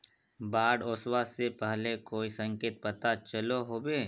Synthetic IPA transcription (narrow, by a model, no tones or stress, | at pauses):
baːɽoːswasepɛɦlekoːisə̃ŋkeːt̪̚pɐt̪at͡ʃəloɦoːbeː